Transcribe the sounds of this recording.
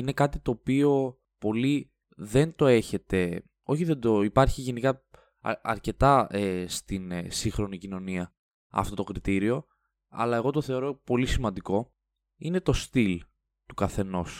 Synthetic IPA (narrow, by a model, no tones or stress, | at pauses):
ine̞kɐt̪it̪o̞ːpio̞ | po̞li | ðe̞nt̪o̞e̞çe̞t̪e̞ | o̞çiðe̞nd̪o̞ipɐɾçiʝe̞nikɐ | ɐɾce̞t̪ɐest̪insiŋxɾo̞nicino̞niɐ | ɐ̰ft̪o̞t̪o̞kɾit̪iɾio̞ | ɐ̰lɐe̞ɣo̞t̪o̞θe̞o̞ɾo̞po̞lisimɐnd̪iko̞ | ine̞t̪o̞st̪il | t̪ukɐθe̞no̞s